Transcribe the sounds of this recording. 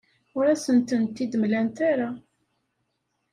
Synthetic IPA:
ʊɾæsənt̪ənt̪ːid̪mlænt̪aɾa

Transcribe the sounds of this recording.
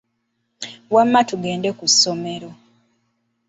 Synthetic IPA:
wamːatuɡe̞ːndekusːo̞me̞ɾo̞

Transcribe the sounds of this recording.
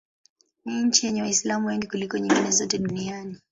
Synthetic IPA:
niɲ̩t͡ʃijɛɲɛwaislamuwɛŋɡikulikɔɲiŋɡinɛzɔtɛɗuniani

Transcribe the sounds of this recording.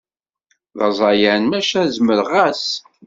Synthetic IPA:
ðɑ̰zˤɑjænmæʃæzməɾʁæs

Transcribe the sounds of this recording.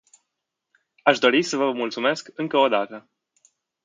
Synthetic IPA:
aʃd̪o̞ɾisəvəmult̪sume̞skɨŋkəo̞d̪at̪ə

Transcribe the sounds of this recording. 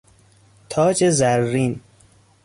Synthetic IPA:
t̪ʰɒːd͡ʒezæɾːin

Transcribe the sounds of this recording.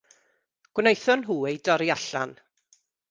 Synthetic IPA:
ɡ̥wnejθɔnɦuːejdɔɾiaɬa̰n

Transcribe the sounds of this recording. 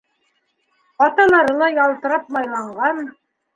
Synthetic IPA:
ɑt̪ɑlˠɑɾɤlˠɑjɑlˠt̪ɤ̆ɾɑp̚mɑjlˠɑɴɢɑn

